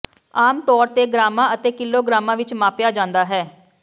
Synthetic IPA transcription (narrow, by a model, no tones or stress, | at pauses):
aːmt̪ɔːɾt̪eːɡɾaːmãːət̪eːkɪlːoːɡɾaːmãːʋɪt͡ʃmãːpjaːd͡ʒãːnd̪aːɦɛː